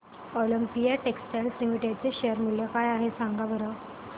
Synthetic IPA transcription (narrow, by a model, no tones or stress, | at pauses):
ɔləmpijaʈeksʈeɳslimiʈat͡seɕejəɾmuljəkajaɦesãŋɡabəɾə